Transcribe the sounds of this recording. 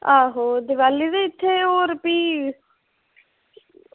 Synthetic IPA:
aːɦoːd̪ɪʋaːlːiːd̪eːɪt̪ʰːeːoːɾpiː

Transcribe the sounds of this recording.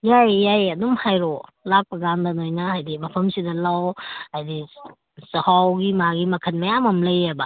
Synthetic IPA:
jajːajɐdumhajɾolak̚pɐɡandɐnojnɐajdimɐpʰɐmsidɐlawhajdi | sɐhawɡimaɡimɐkʰɐnmɐjamɐmlɐjebɐ

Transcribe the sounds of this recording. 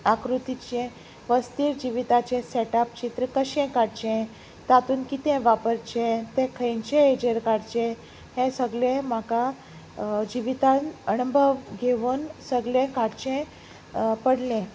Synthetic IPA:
akɾut̪it͡ɕẽ | ʋəst̪iːɾd͡ʑiʋit̪at͡ɕẽseʈapt͡ɕit̪ɾəkəɕɛ̃kaɽt͡ɕɛ̃ | t̪at̪uːnkit̪ɛ̃ʋapəɾt͡ɕẽt̪ẽkʰəjnt͡ɕẽed͡ʑəɾkaɽt͡ɕẽ | hẽsəɡlẽm̤aka | d͡ʑiʋit̪ãnənəbʱəʋɡʱeʋuːnsəɡlẽkaɽt͡ɕẽ | pəɽlẽ

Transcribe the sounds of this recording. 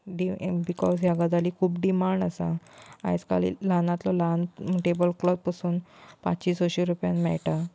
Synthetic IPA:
ɖibikɔzɦjaɡəd̪aliːkʰuːpɖimaɳɖasaa̰jt͡ska̰lḭlanat̪lɔlanʈebəlklɔt̪̚pəsuːnpa̰tt͡ɕiːsɔɕiɾupjãnmɛɭʈa

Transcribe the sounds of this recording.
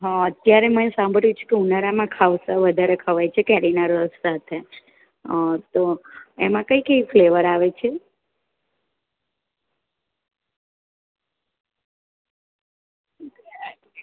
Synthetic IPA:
ɦãət̪jaɾemənesãmbʱəɽjũt͡ʃʰe̥keunaɾamãkʰaʋsaʋəd̪ʱaɾekʰəʋajt͡ʃʰekɛlinaɾəssat̪ʰe | t̪oemãkəikəifleʋəɾaʋet͡ʃʰe

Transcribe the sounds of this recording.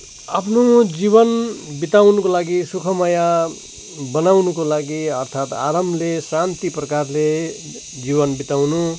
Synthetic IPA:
apʰnod͡zibʌnbit̪awnukolaɡisukʰʌmaja | bʌnawnukolaɡiʌrt̪ʰat̪a̰ɾʌmlesant̪iprʌkarle | d͡zibʌnbit̪awnu

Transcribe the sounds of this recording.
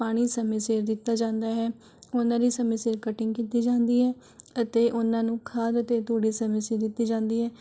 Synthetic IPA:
paːɽ̃iːsəmɪseːɾd̪ɪt̪ːaːd͡ʒãːnd̪aːɦɛː | onãːd̪iːsəmɪseːɾkəʈɪ̃ŋɡkiːt̪iːd͡ʒãːnd̪iːɦɛː | ət̪eːʔʊnãːnũːkʰaːd̪ət̪eːt̪oːɽiːsəmɪseːɾd̪ɪt̪ːiːd͡ʒãːnd̪iːɦɛː

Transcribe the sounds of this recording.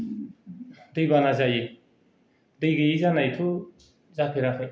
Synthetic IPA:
d̪ɯjbanazaje | d̪ɯjɡɯjizanajtʰu | zapʰeɾakʰɯj

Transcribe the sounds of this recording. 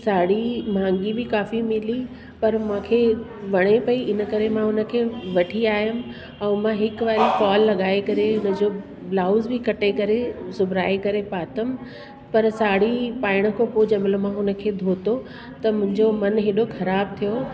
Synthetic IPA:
saːɽ̤imãːŋɡibɪkaːfimɪli | pɐɾmãːkʰeːʋɐɽ̃epɐiʔɪnəkɐɾemãɦʊnə̆kʰeːʋɐʈʰiaːɦjʊm̆ | ɛ̃ːmãɦɪkʋaːɾikɔːlːɐɠaːekɐɾeʊnə̆d͡ʑoː | blaːʊzbɪkɐʈekɐɾesʊbʱɾaːekɐɾepaːt̪əm | pɐɾsaːɽ̤ipaːɪɽ̃ə̆kʰopoːd͡ʑɐmɪlomãɦʊnə̆kʰeːd̪ʱoːt̪o | t̪ɐmʊ̃ɦɪ̃ɲd͡ʑomɐnɦeːɗoxɐɾaːb̚t̪ʰijo

